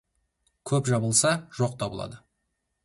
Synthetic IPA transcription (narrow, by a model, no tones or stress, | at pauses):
kʲʰɵpʒɑbəlˠsɑʒoq̚t̪ʰɑbəlˠɑ̰d̪ə